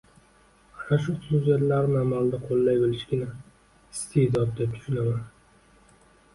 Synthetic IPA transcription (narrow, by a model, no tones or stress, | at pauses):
anaʃʊsuzijat̪laɾnamald̪aqʰolːajbolɪʃɡʲɪna | ɪst̪ʰed̪ɒt̪̚d̪e̞p̚t̪ʰʊ̥ʃʊnaman